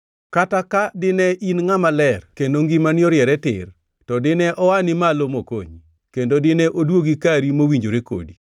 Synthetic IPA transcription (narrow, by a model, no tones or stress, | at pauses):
katakadɪnɛʔinŋamalɛrkendoŋɡimanjɔɾjɛɾɛtɪ̰r | tɔdɪnɛʔɔwanɪmalomoko̰ɲ | kendodɪnɛʔodwoɡikaɾimowiɲd͡ʒoɾeko̰di